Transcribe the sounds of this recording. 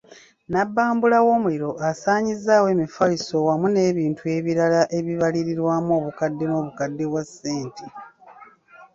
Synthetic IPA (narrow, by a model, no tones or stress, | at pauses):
nabːaːmbulawo̞ːmuliɾo̞ʔasaːɲizːaːwe̞ːmifaiso̞wamune̞ːβiːntue̞βiɾalaʔe̞βiβaliɾiɾwaːmo̞ːβukadːe̞no̞ːβukadːe̞βwasːe̞ːntʰe